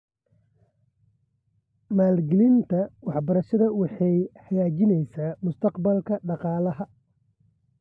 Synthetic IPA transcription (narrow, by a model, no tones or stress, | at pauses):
maːlɡɪlɪnt̪ʰɐwɑħbɐɾɐʃɐðɐwɑħɑjħɐjaːt͡ʃɪnɛjsaːmʊst̪ʰɐqbɐlkʰɐɖɑqɑːlɐɦɐ